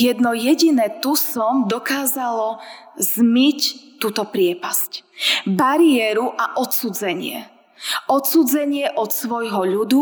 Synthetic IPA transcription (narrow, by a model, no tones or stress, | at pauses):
jɛd̪nɔjɛɟinɛːt̪usɔmd̪ɔkaːzalɔ | zmict̪ːuːt̪ɔpɾɪɛpascbaɾiɛɾuʔaʔɔt̪suːd͡zɛɲɪɛ̰ | ɔt̪suːd͡zɛɲɪɛʔɔt̪sʋɔjɦɔʎud̪u